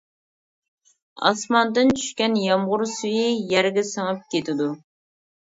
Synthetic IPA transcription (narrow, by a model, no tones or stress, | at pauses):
ɑ̰smɑnd̪ɨnt͡ʃʰy̥ʃkʲɛnjɑmʁʊɾsyjijɛɾɡʲɛsəŋɨp̚kʲʰet̪ʰɪd̪u